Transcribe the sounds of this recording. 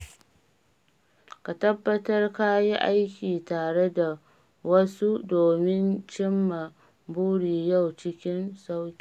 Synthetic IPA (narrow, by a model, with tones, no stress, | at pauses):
ka˨tɐ˦bːɐ˦tɐ˦rka˦ji˦ʔa˦jkʲiː˨taː˨ɽe˦da˨ | wɐ˦su˦doː˨mɪ˦nt͡ʃɪ˦mːa˨ | buː˦ɽiː˨ja˦˨wt͡ʃɪ˦kʲɪ˦nsa˦wkʲi̥˨